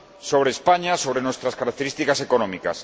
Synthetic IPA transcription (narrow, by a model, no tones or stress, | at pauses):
soβɾeːspaɲasoβɾenost̪ɾaskaɾak̚t̪eɾist̪ikasekonɔmikas